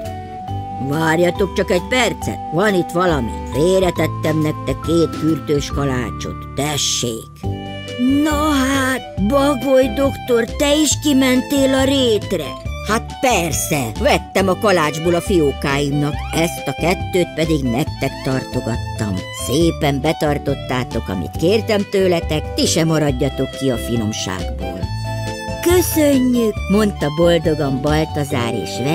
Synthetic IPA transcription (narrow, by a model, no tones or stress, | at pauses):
ʋaːrjɒt̪o̞k̚t͡ʃɒkɛɟpɛrt̪sɛ̰t̪ʋɒnit̪ʋɒlɒmḭt̪feːɾɛt̪ɛt̪ːɛmnɛk̚t̪ɛkːeːt̪kyrt̪øːʃkɒla̰ːt͡ʃo̰t̪ːɛʃːḛːk | nɒɦat̪bɒɡojd̪o̞kt̪o̞rt̪ɛiʃkimɛnt̪eːlɒɾeːt̪rɛ̰haːt̪pɛrsɛʋɛt̪ːɛmɒkɒlaːd͡ʒboːlɒfioːkaːjumnɒkɛst̪ɒkɛt̪ːøːt̪̚pɛd̪iɡnɛk̚t̪ɛkt̪ɒrt̪o̞ɡɒt̪ːɒ̰mseːpɛmbɛt̪ɒrt̪o̞t̪ːaːt̪o̞kɒ̰mḭt̪keːrt̪ɛmt̪øːlɛt̪ɛkt̪iʃɛmɒɾɒɟːɒt̪o̞kːiɒfinomʃa̰ːɡbo̰ːl | køsøɲːykmo̞nt̪ɒbo̞ld̪o̞ɡɒmbɒlt̪ɒza̰ːɾḛːʃʋɛ